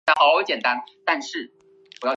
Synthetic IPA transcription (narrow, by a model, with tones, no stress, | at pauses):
a˧˥xɑ˧˦t͡ɕjɛ˨˩nt̪a˦nt̪a˥˧nʂɻ̩˥˩ | pu˨jɑ˥˩